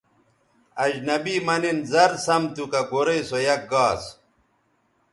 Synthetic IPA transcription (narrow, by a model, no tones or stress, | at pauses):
ɐd͡ʑnɐbiːmɐninzɐɾsɐmt̪ukɐɡoɾeisojɐk̚ɡaːs